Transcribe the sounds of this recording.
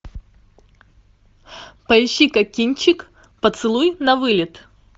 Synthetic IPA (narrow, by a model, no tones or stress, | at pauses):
pɐɪɕːikɐkʲinʲt͡ɕɪk | pət̪sɨlˠujnɐvɨlʲɪt̪